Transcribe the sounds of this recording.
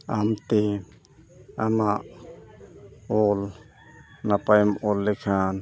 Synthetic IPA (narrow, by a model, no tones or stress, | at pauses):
amt̪e | amaʔ | oːl | napajmolːɪkʰan